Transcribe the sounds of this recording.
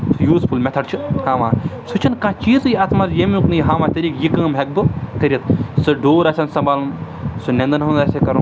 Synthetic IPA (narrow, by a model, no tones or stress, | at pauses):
t̪ʰɨjuːspʰulmʲɛt̪ʰɐɖt͡ʃʰɨhãːʋãːsut͡ʃʰɐnkãːt͡ʃiːzjiɐt̪ʰmaɾjemuknɨiɦãːʋãːt̪ɐɾiːkjikɐ̃ːmɦek̚bɨkɐɾʲɐt̪̚sɨɖoːɾɐsʲɐnsɐmbaːln | sɨnʲend̪ɨnɦɐ̃nd̪aːseːkɐɾ